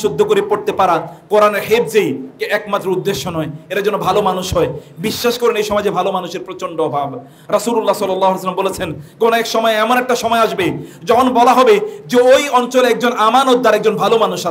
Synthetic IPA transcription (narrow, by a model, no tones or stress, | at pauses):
ʃud̪ʱːokoɾepoɾt̪epaɾakoɾaneɾɦeb̚d͡ʑejkeʔɛkmat̪ːɾoud̪ːeʃːonɔeeɾad͡ʑɔnːobʱalomanuʃɦɔebiʃːaʃkoɾenejʃɔmɔed͡ʑebʱalomanuʃeɾpɾot͡ɕoɳɖoɔbʱab | ɾɔsululːasɔlːɔlːaɦoɦales̬əlːambolet͡ɕʰenɡonoɛkʃɔmɔeɛmonɛk̚ʈaʃɔmɔeaʃbed͡ʑɔkʰonbɔlaɦɔbed͡ʑeojɔnt͡ɕolɛk̚d͡ʑonamanot̪̚d̪aɾɛk̚d͡ʑonbʱalomanuʃa